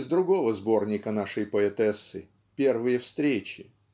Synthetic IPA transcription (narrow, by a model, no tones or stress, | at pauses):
zd̪ɾʊɡo̞vəzbo̞rnʲɪkənaʂɨjpəɛt̪ɛsːɨ | pʲe̞rvɨjəfst̪ɾʲet͡ɕɪ